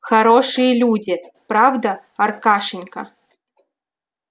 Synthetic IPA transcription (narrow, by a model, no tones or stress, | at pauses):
xɐɾoʂɨjəlʲudʲɪpɾavd̪aɐrkaʂɪnʲkɐ̰